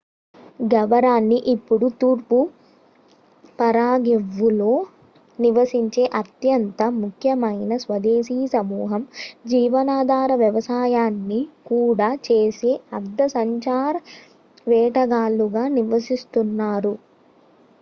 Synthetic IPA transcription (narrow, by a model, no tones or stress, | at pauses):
ɡɐʋɐɾaːnːiʔipːuɽut̪uːɾpu | pɐɾaːɡeʋːulo̞ː | niʋɐsiɲt͡ʃe̞ːʔɐt̪jɐnt̪ɐmukʰjɐmɐjnɐsʋɐd̪eːʃiːsɐmuːɦɐmd͡ʒiːʋɐnaːd̪ʱaːɾɐʋjɐʋɐsaːjaːnːikuːɽaːt͡ʃeːseɐɾd̪ːɐsɐɲt͡ʃaːɾ | ʋɛːʈɐɡaːluɡaːniʋɐsist̪unːaːɾu